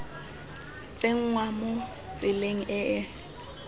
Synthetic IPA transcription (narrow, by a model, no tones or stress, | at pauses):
t͡sʼeŋ̩ŋwamʊ | t͡sʼɪleŋ̩ʔɛʔɛ